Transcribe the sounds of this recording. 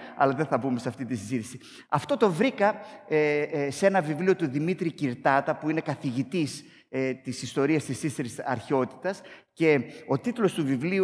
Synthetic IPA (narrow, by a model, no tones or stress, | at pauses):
ɐ̰lɐðeθɐbume̞sɐft̪it̪isizit̪isi | ɐft̪o̞t̪o̞vɾikɐesee̞nɐvivlio̞t̪uðimit̪ɾiciɾt̪ɐt̪ɐpuine̞kɐθiʝit̪is | t̪isist̪o̞ɾiɐst̪isist̪eɾisɐ̰ɾço̞t̪i̥t̪ɐsce̞o̞t̪it̪ulo̞st̪uvivli